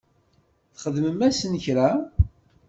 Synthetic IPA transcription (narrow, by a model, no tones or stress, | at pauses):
θχəðməmæsənçɾæ